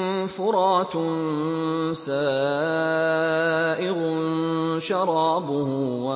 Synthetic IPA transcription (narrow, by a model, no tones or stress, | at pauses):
fʊɾˤɑːt̪n | saː | ʔɪɣʊ | ʃɑɾˤɑːbʊhʊwa